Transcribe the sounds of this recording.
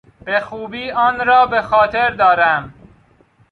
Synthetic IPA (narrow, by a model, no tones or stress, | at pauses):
b̥exuːbiːɒːnɾɒːbe̞xɒːt̪ʰe̞ɾd̪ɒːɾæm